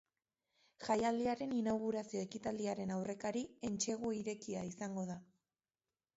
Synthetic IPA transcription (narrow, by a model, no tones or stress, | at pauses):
ʝajald̪iaɾe̞ninawɣuɾasio̞e̞kit̪ald̪iaɾe̞nawre̞kaɾie̞nt͡ʃe̞ɣ̞uiɾe̞kiaisaŋɡo̞ð̞a